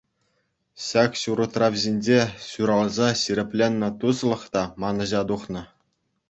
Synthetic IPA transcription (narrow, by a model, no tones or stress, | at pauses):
ɕɑkɕuɾɤ̆t̪rɑvʲʑenʲd͡ʑeɕuɾɑlˠzɑɕiɾʲɘ̆pʲlʲenʲːɤ̆t̪uslˠɤ̆χt̪ɑmɑnɤ̆ʑɑt̪uχnɤ̆